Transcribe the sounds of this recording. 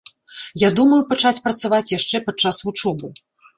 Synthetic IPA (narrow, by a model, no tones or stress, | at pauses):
jad̪umɐjupat͡ʂat͡sʲpɾɐt̪savat͡sʲjaʂt͡ʂɛpɐd̪̚t͡ʂːasvut͡ʂɔbu